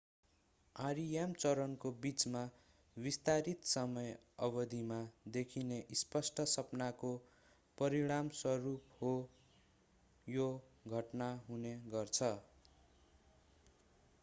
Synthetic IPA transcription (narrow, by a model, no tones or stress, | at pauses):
aɾijamt͡sʌɾʌnkobit͡sma | bist̪aɾit̪sʌmʌjʌbʌd̪ʱimad̪ekʰineʔispʌsʈʌsʌpnako | pʌɾiɽ̃amswʌɾupho | joɡʱʌʈnaɦuneɡʌrt͡sʰʌ